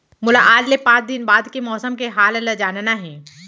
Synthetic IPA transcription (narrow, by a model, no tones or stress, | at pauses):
mʊlaʔaːd͡ʒlepãːt͡ʃd̪ɪnbaːd̪kemɔːsəmkeɦaːlləd͡ʒaːnnaɦɛ̃ː